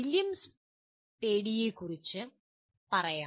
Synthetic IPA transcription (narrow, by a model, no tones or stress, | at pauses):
iljɐms | peːɽijekːurit͡ɕːɨ | pɐrɐjaː